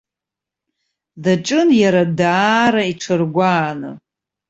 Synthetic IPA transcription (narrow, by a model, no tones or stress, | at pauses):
daʈ͡ʂʼɨnjaɾadaːɾaiʈ͡ʂʰɨrɡʷaːnɨ̰